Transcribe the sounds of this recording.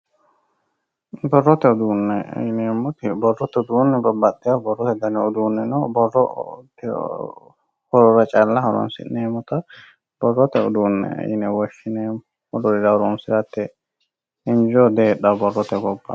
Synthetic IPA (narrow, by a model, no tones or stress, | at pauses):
bɔrːɔt̪ɛud̪unːɛ̰jnɛmɔt̪ibɔrːɔt̪ɛud̪unːɛbabːad̪ːɛabɔrːɔt̪ɛd̪anɛud̪uːnːɛnɔbɔrɔt̪ɛ̰ | hɔɾɔɾat͡ʃʼalːahɔɾɔ̰nsḭnɛːmɔt̪a | bɔrːɔt̪ɛɔd̪uːnːɛ̰a̰jnɛwɔʃinɛmɔ | ɔdɔɾɛd̪awɾɔunsiɾat̪ːɛ | ind͡ʒɔd̪ɛːɗabɔrːɔt̪ɛɡɔbːa̰